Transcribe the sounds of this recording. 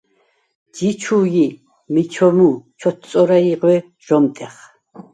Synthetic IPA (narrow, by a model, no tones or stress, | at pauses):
d͡ʒit͡ʃʰuːɡi | mit͡ʃʰɔmuːt͡ʃʰɔt̪t͡sʼɔɾaiqʼwɛ | ʒ̥ɔmt̪ʼɛχ